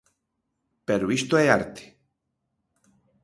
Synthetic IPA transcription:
peɾoist̪oeaɾt̪ʰe̥

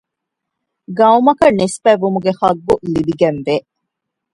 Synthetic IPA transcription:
ɡɐumɐkɐnespæːʋumuɡeχɐɡːulibiɡenʋe

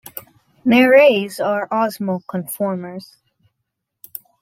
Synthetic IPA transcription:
mɛɹeɪzəɹʔɑzməkʰə̃ɱfɔɹmə˞z̥

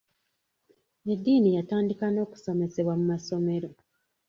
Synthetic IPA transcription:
edːiːnijataːndikano̞ːku̥so̞me̞se̞βwamumaso̞me̞ɾo̞

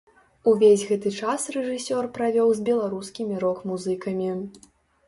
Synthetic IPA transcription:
uvʲezʲɣɛt̪ɨt͡ʂasrɛʐɨsʲɔrpɾavʲɔwzʲbʲɛlˠaɾuskʲimʲiɾɔkmuzɨkɐmʲi

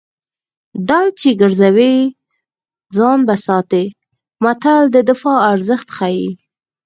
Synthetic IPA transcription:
ɖalt͡ʃeɡəɾzawe | d͡zɑnbasɑt̪e | mat̪ald̪əd̪ɪfɑaɾzəxt̪xaji

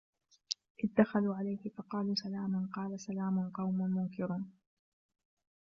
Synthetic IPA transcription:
ʔɪðd̪ːaxaluːʕalajhɪfɑqɑːluːsalaːmanqɑːlasalaːmʊnqɑwmʊmʊŋkɪɾʊn

